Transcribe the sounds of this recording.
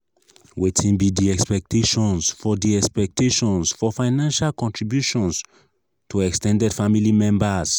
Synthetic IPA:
wetʰĩnbidiɛkspɛk̚tʰeʃɔ̃nsfɔdiɛkspɛk̚tʰeʃɔ̃nsfɔfaɪnãnʃalkɔ̃ntʰɹibjuʃɔ̃ns | tʰuɛkstɛ̃ndɛdfamilimɛ̃mbas

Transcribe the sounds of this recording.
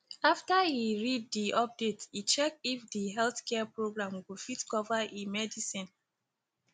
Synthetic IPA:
aftaiɹid̚ːiɔp̚detit͡ʃɛk̚ifdiɦɛlθkɛapɹoɡɹãmɡufitkɔvaʔimɛdisĩn

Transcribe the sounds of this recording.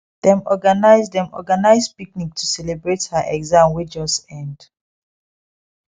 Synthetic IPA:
ðɛ̃mɔɡanaɪzdɛ̃mɔ̰ɡanaɪzpiknik̚tʰusɛlebɹethaʔɛɡzãmwed͡ʒɔsɛ̃nd

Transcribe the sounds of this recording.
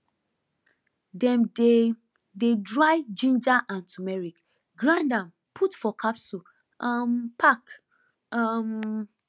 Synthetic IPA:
dɛ̃mde | dedɹajd͡ʒĩnd͡ʒaʔãntʰumɛɹik | ɡɹãndãm | pʰutfɔkʰapsu | ampʰak | am

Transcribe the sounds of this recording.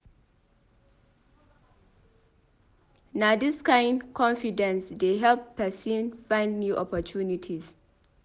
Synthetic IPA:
nadɪskãɪ̃ndkʰɔ̃nfidɛ̃nsdeɦɛlppːɛsinfãɪ̃ndnjuːʔɔpɔt͡ʃunɪtʰis

